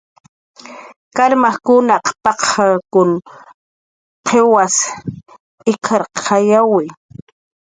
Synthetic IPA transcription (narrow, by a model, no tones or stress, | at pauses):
kaɾmaχkʊnaqpɑqakʊn | qʰewas | ɪkʰaɾqʰajawɪ